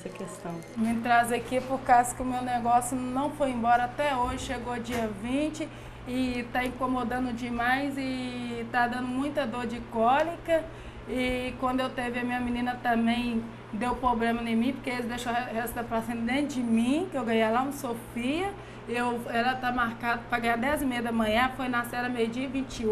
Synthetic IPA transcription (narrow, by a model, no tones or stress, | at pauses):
ɛsɐkest̪ɐ̃w̃mɪt̪ɾazɐkipʊɾkazʊkɪʊmewneɡɔsjʊnɐ̃w̃fojẽmbɔɾɐat̪ɛoʒɪʃeɡod͡ʒiɐvĩt͡ʃɪ | ɪt̪aĩkõmod̪ɐ̃nd̪ʊd͡ʒɪmajzɪt̪ad̪ɐ̃nd̪ʊmũj̃t̪ɐd̪oɾd͡ʒɪkɔlikɐ | ɪkwɐ̃nd̪ʊewt̪evɪɐmĩɲɐmĩnĩnɐt̪ɐ̃bẽj̃ | d̪ewpɾoblẽmɐnẽmĩpoɾkeelɪd̪eʃohest̪apɾasẽd̪ẽʊd͡ʒɪmĩkɪewɡɐ̃jajlaũsofiɐ | ewɛlɐt̪amaɾkad̪ɐpɾɐɡɐ̃j̃ad̪ɛzɪmejɐd̪ɐmɐ̃ɲɐ̃fojnasɛɾɐmejʊd͡ʒiɐvĩt͡ʃɪ